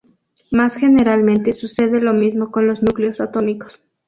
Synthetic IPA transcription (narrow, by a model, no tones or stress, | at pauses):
masxe̞ne̞ɾalmẽnt̪e̞suse̞ðe̞lo̞mizmo̞ko̞nlo̞znukleosat̪o̞mikos